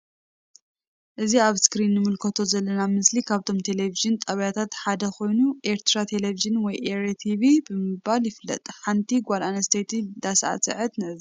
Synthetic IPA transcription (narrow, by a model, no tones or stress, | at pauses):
ʔɨziaβskɾinːɨmɨlkʰɐt̪ʰo̞zɐlːɐnamɨslikʰaβt̪ʰo̞mt̪ʰe̞leviʒɨnt̪ʼɐβjat̪ʰat̪ħad̪ɐko̞jnuʔeɾt̪ɾat̪ʰe̞leviʒɨnwɔjʔeɾet̪ʰiβibɨmɨbaljɪflːɐ̰t̪ʼħant̪ʰiɡʷalanɐst̪ʰejt̪ʰid̪asʔa̰sɨ̰ʕɨt̪nɨʔɨz